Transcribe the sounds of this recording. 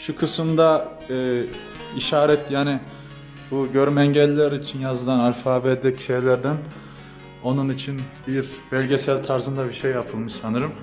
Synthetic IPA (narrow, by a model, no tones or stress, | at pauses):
ʃukʰɯsɯmd̪a | ɯː | iʃaːɾɛt̪ʰjaːni | buɟø̞ɾymɛɲɟɛlʲiːɛɾit͡ʃʰinjazɯd̪anaɾfaːbɛd̪ɛcʃejlʲæɾd̪æn | o̞nunit͡ʃʰinbiɾbɛlʲɟesælʲt̪ʰaɾzɯnd̪abiɾʃejːapʰɯlˠmɯʃsanɯɾɯm